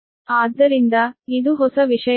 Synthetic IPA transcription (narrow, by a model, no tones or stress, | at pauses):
aːd̪ːɐɾind̪ɐid̪uɦɔsɐʋiʂɐ